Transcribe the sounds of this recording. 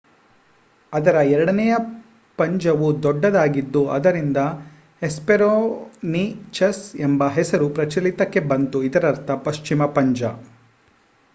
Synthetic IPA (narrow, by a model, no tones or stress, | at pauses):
ɐd̪ɐɾɐɛɾɐɽɐnɛjɐ | pɐɲd͡ʒɐʋud̪ɔɖːɐd̪aːɡid̪ːuʔɐd̪ɐɾind̪ɐ | espeɾoːnit͡ʃɐsembɐɦɛsɐɾupɾɐt͡ʃɐlit̪ɐkːe̞bɐnt̪uid̪ɐɾɐɾt̪ʰɐpɐʃt͡ʃimɐpɐɲd͡ʒɐ